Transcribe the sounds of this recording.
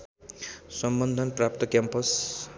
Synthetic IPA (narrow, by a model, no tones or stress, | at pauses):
sʌmbʌnd̪ʱʌnprap̚t̪ʌkjampʌs